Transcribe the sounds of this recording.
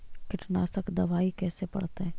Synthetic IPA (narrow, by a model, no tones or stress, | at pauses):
kɪʈnaːsəkd̪ɐʋaːikɛːsepɐ̰ɽt̪eɦɛ̃ː